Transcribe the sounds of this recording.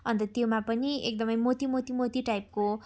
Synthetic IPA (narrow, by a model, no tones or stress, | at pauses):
ʌnt̪ʌt̪jomapʌniḛk̚d̪ʌmʌjmot̪imot̪imot̪iʈajp̚ko